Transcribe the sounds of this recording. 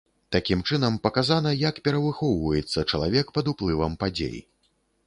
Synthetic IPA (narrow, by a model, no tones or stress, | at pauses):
t̪akʲimt͡ʂɨnɐmpɐkazanɐjakpʲɛɾɐvɨxɔwvɐjɛt̪sːɐt͡ʂɐlˠa̰vʲɛkpɐd̪uplˠɨvɐmpad͡zʲḛj